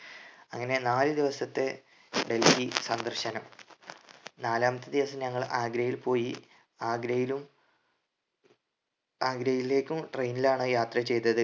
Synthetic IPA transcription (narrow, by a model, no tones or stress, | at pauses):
ɐ̰ŋːɐne̞naːlɨd̪iʋɐsɐt̪ːe | ɖe̞lfisɐnd̪ɐrɕɐnɐm | naːlaːmɐt̪ːid̪iʋɐsɐmɲɐŋːɐɭʔaːɡɾɐjilpo̞ːji | aːɡɾɐjilum | aːɡɾɐjile̞ːkʲːumʈrejnilaːɳoːjaːt̪rɐt͡ɕe̞jt̪ːɐðɨ